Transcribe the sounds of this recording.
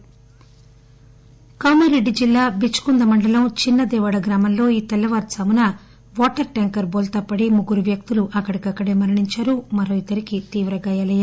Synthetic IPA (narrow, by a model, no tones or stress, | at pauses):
kɐwmɐɾeɖːid͡ʒilːaːbit͡ʃːu̥kund̪ɐmɐɳɖɐlɐmt͡ʃinːɐd̪ɛːʋɐɽɐɡɾaːmɐmlo̞ːiːt̪ɛlːɐʋɐːɾsɐːmunɐ | ʋɔːʈɐɾʈɐŋkɐɾboːlt̪ɐpːɐɽimuɡuɾuʋjɐk̚t̪uluʔɐkːɐɽikɐkːɐɽe̞ːmɐɾɐɳiɲt͡ʃaːɾumɐɾoːit̪ɐɾikit̪iːʋɾɐɡaːjɐlɐja